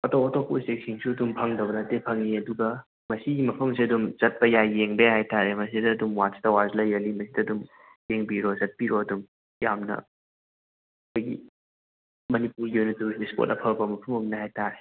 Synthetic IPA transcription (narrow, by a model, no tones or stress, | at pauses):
ɐtowɐtopusek̚siŋsuɐdumpʰɐŋdɐbɐdɐtepʰɐŋniɐduɡɐ | mɐsiɡimɐpʰɐmsiɐdumzɐt̚pɐjajeŋbehajtaɾemɐs̬idɐːdumwatsi̥tɐwazlɐjɐlimɐsidɐːdum | jeŋbiɾozɐt̚piɾoɐdum | jamnɐ̰ | ɐkʰojɡḭ | mɐnipuɾɡiojnɐtuispo̰tɐpʰɐlbɐmɐpʰɐmɐmnɐhajtaɾe